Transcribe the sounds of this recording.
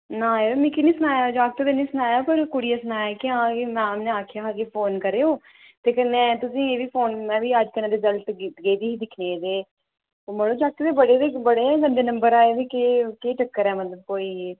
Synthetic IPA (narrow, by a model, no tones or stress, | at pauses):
naːeːmɪ̃kɪnĩːsʊnaːjaːd͡ʒaːɡ̚t̪oːd̪eːnĩːsʊnaːjaːpəɾkʊɽijaːsʊnaːjakɪãːkimɛ̃ːmneːaːkʰjaːãkeːpʰoːnkəɾeːoː | t̪eːkənːɛ̃ːt̪ʊsĩːeːʋiːpʰoːnmɛ̃ːʋiːəd͡ʒkənẽːd̪eːzəlt̪ɡɡeːd̪iːɦiːd̪ɪkʰneːd̪eː | oməɽõːd͡ʒak̚t̪ed̪eːbəɽeːd̪eːbəɽeːɛːɡəɳɖeːnəmbəɾaːeːd̪eːkekeːʈəkːəɾɛːmət̪ləb̚koːiː